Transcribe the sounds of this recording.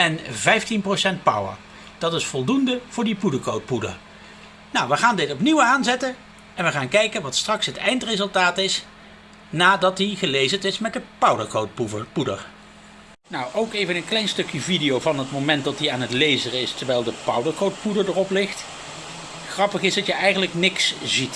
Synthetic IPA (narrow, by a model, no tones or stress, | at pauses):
ɛnvɛjftinprosɛnt̚pʌ̰wə̰ɹ | d̥ɑtɪsfɔlˠdundəv̥ʊːɹdipudəkowt̚pudə̰ɹ | nawʋəχaːndɪtɔpniwaːnzɛtən | ɛnʋəχaːnkɛjkənʋɑtstrɑksɦətɛjntrezɵlˠtaːtɪs | naːdɑt̚diχəlejzətɪsmɛt̚dəpʌwdəɹkotupudə̰ɹ | nɔwʔowkejvənənklɛjnstɵkjəvidijowvɑnɦətmowmɛnt̚dɑtiaːnɦətlejzərɪstəɹʋɛlˠdəpʌwdəɹkowt̚pudəɹdərɔplɪχt | χrɑpəχɪzdɑtjəɛjχənləknɪkszit